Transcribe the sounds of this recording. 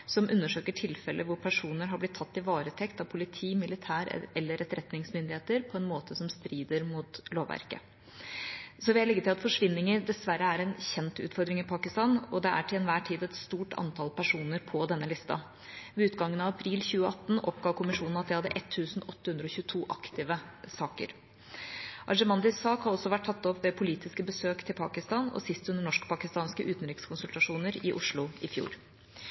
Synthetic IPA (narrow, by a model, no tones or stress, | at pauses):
sɔmʔʉnːəʂøːkəʈʰɪlfɛlʔəʋʊɾpʰæʂuːnəɾɦɑblɪt̪ʰːɑt̪ːɪʋɑːɾət̪ʰɛkt̪ɑʋpʰʊlɪt̪ʰiːmɪlɪt̪ʰæːɾ̰ɛlːəɾʔɛt̪ɾɛt̪nɪŋsmʏnd̪ɪheːt̪əɾpʰɔɛnmoːt̪əsɔmst̪ɾiːd̪əɾmʊt̪loːʋʋæ̰ɾkə̰ | sɔʋɪhælɛɡːət̪ɪlɑt̪fɔʂʋɪnːɪŋəɾd̪ɛsʋæɾəæɾɛnçɛnt̪ʉ̰ːt̪fɔɾd̪ɾɪŋɪpʰɑːkɪst̪ɑːnɔd̪ɛʔæ̰ʈʰɪlɛnʋæːʈʰiːd̪ɛt̪st̪uːʈʰɑ̰nt̪ʰɑlpʰæʂuːnəɾpʰɔd̪ɛnːəlɪst̪ɑ̰ | ʋɛʉːt̪ɡɑŋːənɑʋɑpʰɾiːlçʉːəɑt̪ːn̩ɔpɡɑːʋkʰʊmɪʂuːnn̩ɑt̪̚d̪ɪhɑd̪ːəʔɛt̪ʰːʉːsn̩ɔt̪ːəhʉnd̪ɾəɔçʉːət̪ʰuːʔɑkt̪ɪʋəsɑːkə̰ɾ | ʔɑ̰ʂəmɑnd̪ɪsːɑːkhɑɾɔsːɔʋæʈ̚ʈʰːɑt̪ːɔpʋɛpʰʊliːt̪ɪskəbəsøːkt̪ʰɪlpʰɑ̰ːkɪst̪ɑːnɔ̰sɪst̪ʉnd̪əɳɔʂkpʰɑkɪst̪ɑːnskəʔʉːt̪n̩ɾɪkskʰʊnsʉlt̪ɑʂuːnəɾɪʔʊʂɭʊɪfjṵːɾ